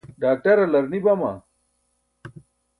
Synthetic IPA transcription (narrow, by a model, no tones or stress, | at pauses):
ɖaːk̚ʈɐɾɐlɐɾnibɐma̰